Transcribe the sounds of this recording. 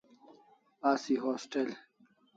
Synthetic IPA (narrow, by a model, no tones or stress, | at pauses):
aːsiɦoːsʈel